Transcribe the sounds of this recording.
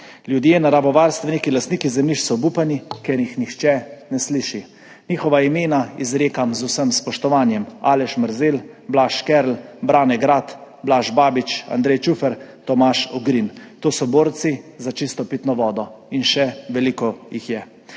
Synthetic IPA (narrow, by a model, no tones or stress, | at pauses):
ljud̪jenaɾabɔʋaɾst̪ʋɛnikilast̪niːkizɛmniʃsɔbupanikɛɾjixnixt͡ʃɛnɛsliʃi | nixɔʋaimeːnaizɾeːkamzusəmspɔʃt̪ɔʋaːnjɛma̰ːlɛʃməɾzel | blaːʃkɛɾlbɾaːnɛɡɾat̪ | blaʒbaːbit͡ʃa̰nd̪ɾɛjt͡ʃufɛɾt̪ɔmaʃɔɡɾint̪oːsɔboːɾt̪sizat͡ʃist̪ɔpit̪nɔʋɔːd̪ɔinʃɛʋɛliːkɔjixjɛ